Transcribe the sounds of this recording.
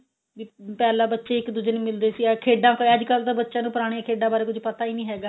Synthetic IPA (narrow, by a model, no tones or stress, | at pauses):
ʋiːpɛːlaːbətːʃeːɪkd̪ud͡ʒənimɪld̪eːsiːaːkʰeːɖãːkəd͡ʒkəlt̪aːbətːʃãːnũːpəɾaːɽ̃eãkʰeːɖãːbaːɾeːkʊd͡ʒpət̪aːiːnĩːɦɛːɡaː